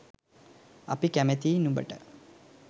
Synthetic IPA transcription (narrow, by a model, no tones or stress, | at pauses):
ɐ̰pikɐmet̪iːnumbɐ̰ʈə̰